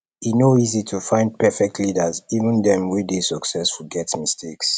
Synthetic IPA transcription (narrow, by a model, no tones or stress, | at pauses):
inoizitʰufãɪ̃nd̚pɛfɛk̚tʰlidəzivə̃ndɛ̃mwidesɔksɛsfuɡɛtmistʰeks